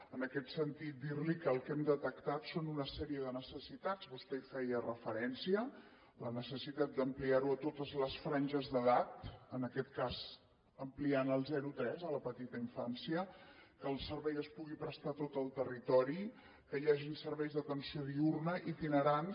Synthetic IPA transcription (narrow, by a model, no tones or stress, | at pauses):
ənəkɛt̪sənt̪it̪̚d̪iɾlikəlˠkɛmd̪ət̪əkt̪at̪sonunəsɛɾiəðənəsəsit̪ad͡zβust̪ɛfɛjərəfəɾɛnsiə | lənəsəsit̪at̪̚d̪əmpliaɾuət̪ot̪əzləsfɾanʲʒəzðəðat̪ənəkɛt̪̚kaz | əmplianəlˠzɛɾut̪ɾɛzələpət̪it̪əiɱfansiəkəːlˠsəɾβɛjəspuɣipɾəst̪at̪ot̪əlˠt̪ərit̪ɔɾi | kəjaʒiunsəɾβɛjzðət̪ənsioðiurnəʔit̪inəɾan